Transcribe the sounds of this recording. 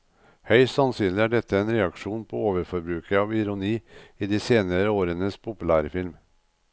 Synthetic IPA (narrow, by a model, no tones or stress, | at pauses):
hœʏst̪ɑnsyːnlɪæːɖɛt̪ʰːəeːnɾɛɑkʂuːnpʰoːoːʋəɾfɔɾbɾʉːkəɑːʋɪɾʊniːiːd̪iːseːnəɾəoːɾənəspʰʊpʉlæːɾəfɪlm